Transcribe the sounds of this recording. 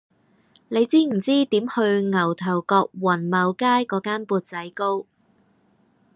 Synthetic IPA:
ne˨˧jt͡siː˥m̩˨˩t͡siː˥t̪iː˨˥mhɵ˧ɥŋɐ˨˩wt̪ʰɐ˨˩wkɔː˧k̚wɐ˨˩nmɐ˨˧wkaː˥jkɔː˨˧˥kaː˥npuː˧t̚t͡sɐ˨˥jko˥w

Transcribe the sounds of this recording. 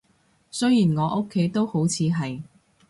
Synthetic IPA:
sɵ˥ɥjiː˨˩nŋɔː˨˧ʔo˥kʰːe˨˥jt̪o˥who˨˥wt͡sʰiː˨˧ɦɐ˨j

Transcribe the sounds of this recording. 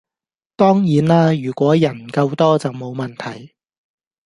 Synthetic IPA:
t̪ɔː˥ŋjiː˨˥naː˥jyː˨˩kʷɔː˨˥jɐ˨˩nkɐ˧wt̪ɔː˥t͡sɐ˨wmo˨˧wmɐ˨˩nt̪ʰɐ˨˩j

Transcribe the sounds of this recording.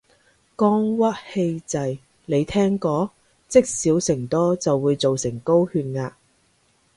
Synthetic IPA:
kɔː˥ŋwɐ˥t̚he˧jt͡sɐ˨j | le˨˧jt̪ʰɛː˥ŋkɔː˧˥ | t͡sɪ˥k̚siː˨˥wsɪ˨˩ŋt̪ɔː˥t͡sɐ˨wːuː˨˧jt͡so˨wsɪ˨˩ŋko˥whyː˧n̚ŋaː˧

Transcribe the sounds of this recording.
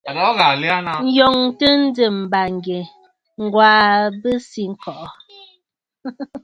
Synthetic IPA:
a˨lɔ˨˦ɣa˨li˦a˦na˦n̩˦jɔ˨ŋtə˦n̩˦də˨m̩˨ba˨ŋ˨ɡe˨ | ŋ̩˦˨ɡwaː˦bə˦si˦ŋ̩˦kɔ˨ʔɔ˨

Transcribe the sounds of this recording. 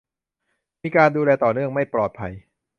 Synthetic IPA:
miː˧kaː˧nduː˧lɛː˧t̪ɔː˨˩nɯ˥˩əŋma˥˩jplɔː˨˩t̪̚pʰa˧j

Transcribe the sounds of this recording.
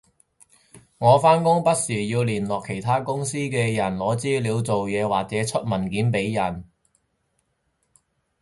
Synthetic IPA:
ŋɔː˨˧faː˥nkʊ˥ŋpɐ˥t̚siː˨˩jiː˧wliː˨˩nlɔː˨kʰe˨˩jt̪ʰaː˥kʊ˥ŋsiː˥kɛː˧jɐ˨˩nlɔː˨˥t͡siː˥liː˨˧wt͡so˨wjɛː˨˧waː˨k̚t͡sɛː˨˥t͡ʃʰɵ˥t̚mɐ˨˩nkiː˨˥npe˨˧˥jjɐ˨˩n

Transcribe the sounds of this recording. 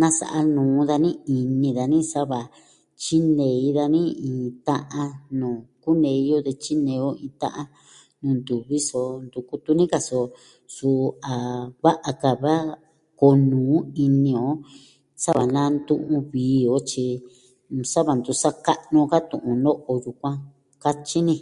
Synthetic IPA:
nã˦sa̰˨ʔa˧nũː˨˦ða˧nĩ˦i˧nĩ˧ða˧nĩ˦sa˦βa˨ | t͡ʃi˦nẽ˨i˧˦ða˧nĩ˦ĩː˨t̪ã˦ʔã˧nũː˨ku˦nẽ˧˨i˧˦jo˦ðe˧t͡ʃi˦nẽ˨˧o˦ĩː˧t̪ã̰˦ʔa˦ | nũː˨˧˨nd̪u˨βi˦so˧nd̪u˧˨ku˧t̪u˧nĩ˦ka˧so˧ | su˧a˨βa˦ʔa˧ka˧βa˦ | ko˧nũː˨˦i˧nĩ˧o˧˦ | sa˦βa˨nã˦nd̪ṵ̃˦˧ʔũ˧βiː˨˦o˧˦t͡ʃi˧ | sa˦βa˨nd̪u˧sa˦ka˦˧ʔnõ˧ka˦t̪ũ˨ʔũ˧no˦ʔo˧ju˧kʷã˦ | ka˦t͡ʃi˦nĩ˧

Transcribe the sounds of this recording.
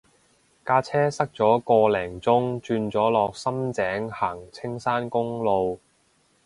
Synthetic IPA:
kaː˧˥t͡sʰɛː˥sɐ˥k̚t͡sɔː˨˥kɔː˧lɛː˨˩ŋt͡sʊ˥ŋt͡ʃyː˧nt͡sɔː˨˥lɔː˨k̚sɐ˥mt͡sɛː˨˥ŋhaː˨˩ŋt͡sʰɪ˥ŋsaː˥nkʊ˥ŋlo˧w

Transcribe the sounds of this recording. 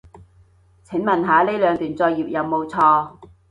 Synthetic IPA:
t͡sʰɪ˨˥ŋmɐ˨˩nɦaː˨˧le˥lœː˨˧ŋt̪yː˨˩nt͡sɔː˧jiː˨p̚jɐ˨˧wmo˨˧wt͡sʰɔː˧

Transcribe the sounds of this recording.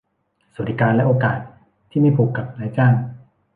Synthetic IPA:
sa˨˦˩t̪ʰːi˨˧˩kaː˧nlɛ˦˥ʔoː˧kaː˨˩t̪̚ʰː | iː˥˩miː˧˥˩pʰu˨˩kːa˨˩p̚naː˧˦jt͡ɕaː˥˩ŋ

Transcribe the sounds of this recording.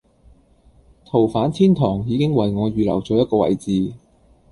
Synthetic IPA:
t̪ʰo˨˩wfaː˨˥nt̪ʰiː˥nt̪ʰɔː˨˩ŋjiː˨˧kɪ˥ŋwɐ˨jŋɔː˨˧ɥyː˨lɐ̰˨˩wt͡ʃɔː˨˧˥jɐ˥t̚kɔː˧wɐ̰˨˩jt͡siː˨˧

